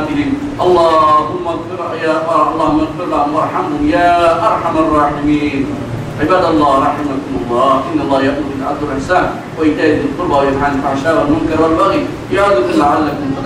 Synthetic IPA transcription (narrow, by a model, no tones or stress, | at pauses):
fɪliːn | ʔɑlˤːɑːɦʊmːaɣfɪɾ | jaʔɑlˤːɑːhʊmːɑɣfɪɾlahʊmɑɾˤħamhʊmjaːʔɑɾˤħamɑrˤːɑːħɪmiːn | ʕɪbaːd̪ʔɑlˤːɑːhɾˤɑħɪmakʊmʊlˤːɑːhʔɪnːalˤːɑːhjaʔmʊɾɪlʕabd̪ˤʊlʔɪħsaːn | waɪd̪aːjɪd̪ɪlqʊlbawajɪnħanɪfʕaʃaːɾalmʊŋkɑɾˤwalbaɣi | jaʕad̪ʊkanlaʕalːakʊmfɑ